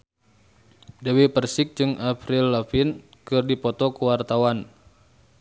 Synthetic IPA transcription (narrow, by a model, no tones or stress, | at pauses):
dɛwɛpərsɪk̚d͡ʒɨŋapɾɪlːafɪn | kɨrdipɔt̪ɔkəwart̪awan